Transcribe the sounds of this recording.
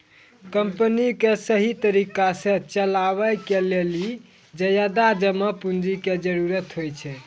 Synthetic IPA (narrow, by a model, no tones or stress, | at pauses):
kəmpənikesəɦit̪əɾikasẽt͡ʃəlaβəkeleli | d͡ʒəjəd̪ad͡ʒəməpund͡ʒiked͡ʒəɾuɾət̪ɦojt͡ʃʰɛ